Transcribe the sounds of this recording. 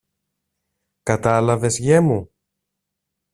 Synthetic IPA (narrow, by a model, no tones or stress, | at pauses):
kɐt̪ɐlɐve̞zʝe̞mu